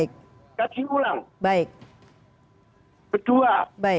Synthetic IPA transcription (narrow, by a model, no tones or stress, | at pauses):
ɪk̚ | kat͡ʃʰiulaŋbaɪk̚ | kəd̥uabaɪ